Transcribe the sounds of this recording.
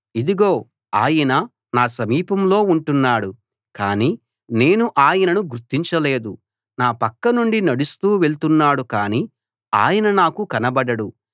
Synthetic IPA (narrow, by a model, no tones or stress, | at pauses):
id̪iɡo̞ː | aːjɐnɐ | naːsɐmiːpɐmlo̞ːuɳʈunːaːɽu | kaːniː | ne̞ːnuʔaːjɐnɐnuɡuɾt̪ːiɲt͡ʃɐle̞ːd̪u | naːpɐkːɐnuɳɖinɐɽust̪uːʋe̞ɭt̪unːaːɽukaːniː | a̰ːjɐnɐnaːkukɐnɐbɐɽɐɽu